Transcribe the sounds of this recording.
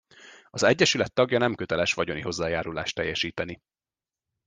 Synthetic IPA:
ɒzɛɟːɛʃylɛt̪ːɒɡjɒnɛmkøt̪ɛlɛʃʋɒɟo̞niɦo̞zːaːjaːɾula̰ːʃt̪ːɛjːɛʃiːt̪ɛni

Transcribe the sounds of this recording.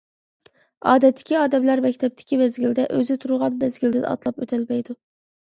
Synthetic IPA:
ɑːd̪ɛt̪ʰːɪ̥kʲiɑːd̪ɛmlæɾmɛkʲt̪ʰɛp̚t̪ʰɪ̥kʲʰivɛzɡʲild̪ɛʔøzɪt̪ʰuɾʊʁɑnbɛzɡʲild̪ɪd̪ɛ̰ɑ̰t̪lˠɑpø̰t̪ʰɛlmɛjd̪u

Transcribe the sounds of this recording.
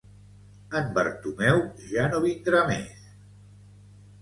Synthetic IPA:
əmbə̰ɾt̪umɛwʒanoβind̪ɾamḛs

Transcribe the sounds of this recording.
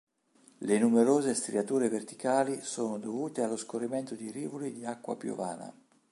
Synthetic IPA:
lenumeɾoːzest̪ɾiat̪uːɾevert̪i̥kaːlisoːnod̪ovuːt̪ealːoskorːiment̪od̪iɾiːvolid̪iakːwa̰pjṵva̰ːna̰

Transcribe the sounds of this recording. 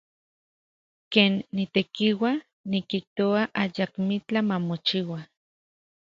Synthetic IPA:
keːnːit̪ekiwa | nikiht̪oaʔajakmit͡ɬamamot͡ʃiwa

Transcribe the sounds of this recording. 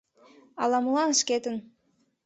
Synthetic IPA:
ɑ̰lɑməlɑnʃket̪ən

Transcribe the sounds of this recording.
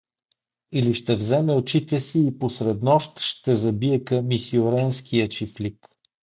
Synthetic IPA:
iliʃt̪ɛvzɛmɛot͡ʃit̪ɛsiːposɾɛd̪nɔʃt̪ʃt̪ɛzɐbiɛkɐmisioɾɛnskʰijət͡ʃiflik

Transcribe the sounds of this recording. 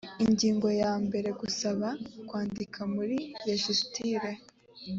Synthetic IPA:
iɲɟiːŋɡo̞jaːmbe̞ɾe̞ɡusaβakwaːndikʰamuɾijeʃustʰiɾe

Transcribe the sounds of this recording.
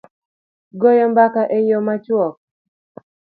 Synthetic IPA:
ɡɔjɔmbakaʔejomat͡ʃwɔk̚

